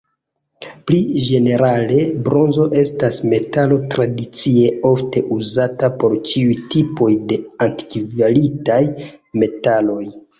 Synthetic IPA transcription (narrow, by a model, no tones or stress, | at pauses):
plid͡ʒe̞ne̞ɾale̞bɾo̞nzo̞ʔe̞stasme̞talo̞tɾadit͡sie̞o̞fte̞ʔuzatapo̞ɾt͡ʃiujtipo̞jde̞anti̥kivalitajme̞talo̞j